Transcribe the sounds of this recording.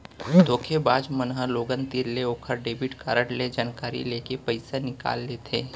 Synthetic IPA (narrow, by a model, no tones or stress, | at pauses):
d̪ʱoːkʰebaːd͡ʒmənɦəloːɡənt̪iɾleoːkʰəɾɖeːbɪʈkaːɾəʈled͡ʒaːnkaːɾḭleːkepɐɪsanɪka̰ːlːet̪ʰeː